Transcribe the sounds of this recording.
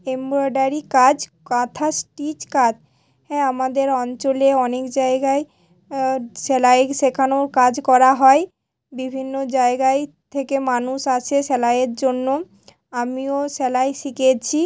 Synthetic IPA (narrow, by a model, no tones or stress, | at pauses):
embɾoɖaɾikad͡ʑkat̪ʰasʈit͡ɕkad | ɦɛ̃amad̪eɾɔnt͡ɕoleɔnekd͡ʑaeɡae | ʃɛlaekʃekʰanokad͡ʑkɔɾaɦɔe | bibʱinːod͡ʑaeɡae | t̪ʰekemanuʃat͡ɕʰeʃɛlaeɾd͡ʑonːo | amioʃɛlaejʃiket͡ɕʰi